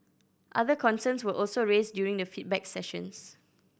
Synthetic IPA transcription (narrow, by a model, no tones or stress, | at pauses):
ʔaðəkʰɔ̃nsə̃nswəʔɔlsoɹesdjuɹĩŋdəfit̚bɛksɛʃə̰̃ns